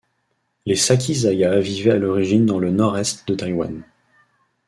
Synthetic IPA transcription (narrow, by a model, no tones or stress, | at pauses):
lesakʲʰizajavivɛalɔʁiʒind̪ɑ̃lənɔʁɛst̪d̪ət̪ajwa̰n